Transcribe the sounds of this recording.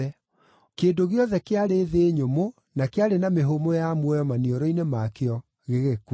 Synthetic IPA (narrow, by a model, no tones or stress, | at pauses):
ɛ | keːdoɣeɔðɛkeaɾeðeɲomo | nakeaɾenameɦomojamwɔjɔmanioɾɔinemakeɔ | ɣeɣek